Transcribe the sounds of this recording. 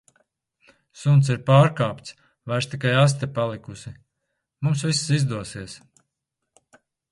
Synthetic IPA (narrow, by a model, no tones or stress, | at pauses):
sunt̪siɾpaːɾkaːpt̪s | vaɾʃt̪ikajas̬t̪ɛpalˠikusi | mumsvissizd̪uɔsiɛs